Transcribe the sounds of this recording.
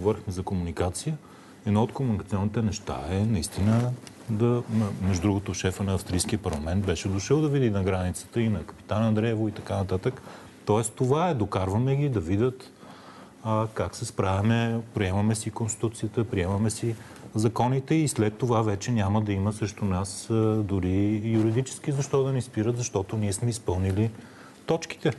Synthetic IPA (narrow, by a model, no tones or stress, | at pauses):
ɡovɔɾixmɛzɐkomunikat̪sijə | ɛd̪noot̪komunikət̪siɔnːit̪ɛnɛʃt̪a̰ɛnɐist̪inə | d̪ɐɐmɛʒʊd̪ɾuɡot̪oʃɛfənɐːfst̪ɾijsk̟iəpɐɾlˠɐmɛnt̪̚bɛʃɛd̪oʃəlˠd̪ɐvid̪inɐɡɾanit̪sə̥t̪əinɐkə̥pi̥t̪anɐd̪ɾɛvoit̪ɐkanɐt̪at̪ək | t̪ɔɛst̪ovaɛd̪okaɾvəmɛɡʲid̪ɐvid̪ʲət̪ | əkaksɛspɾavɛmɛpɾiɛmɐmɛsikonst̪i̥t̪ut̪siət̪əpɾiɛmɐmɛsi | zɐkɔnit̪ɛislɛt̪ːovavɛt͡ʃɛnʲaməd̪ɐiməsɛʃt̪onasd̪ʊɾijuɾid̪it͡ʃɛ̥skizɐʃt̪ɔd̪ɐnɛspiɾət̪zɐʃt̪ɔt̪oniɛsmɛispɤlˠnili | t̪ɔt͡ʃki̥t̪ɛ